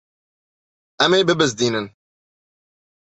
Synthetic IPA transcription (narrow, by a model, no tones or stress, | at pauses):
ʔɐmeːbɨbɨzd̪iːnɨn